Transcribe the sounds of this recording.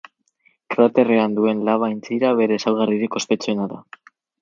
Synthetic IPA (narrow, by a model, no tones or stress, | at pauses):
kɾat̪e̞reand̪ue̞nlaβ̞ajnt͡siɾaβe̞ɾe̞ːsawɣariɾiko̞spe̞t͡soenaða